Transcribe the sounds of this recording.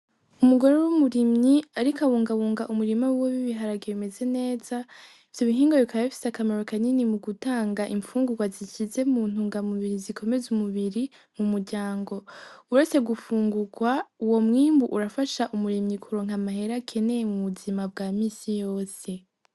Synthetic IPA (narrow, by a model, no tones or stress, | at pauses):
umuɡo̞ɾe̞wumuɾimɲiaɾikaβuːŋɡaβuːŋɡaʔumuɾimawuweβiβiɦaɾaɡieβime̞ze̞ne̞ːza | ivjoβiɦiːŋɡojokʰaβafi̥sakamaɾokaninimuɡutaːŋɡaʔiɱfuːŋɡuɡwaziʃize̞muːn̥uŋɡamuβiɾizikʰo̞me̞zumuβiɾi | mumuɾɟaːŋɡo̞uɾe̞se̞ɡufuːŋɡuɡwauwo̞mŋiːmbuʔuɾafaʃaʔumuɾimɲikʰuɾo̞ːŋɦamahe̞ɾakʰe̞nejemuβuzimab̚ɡaːmiːsijo̞ːse̞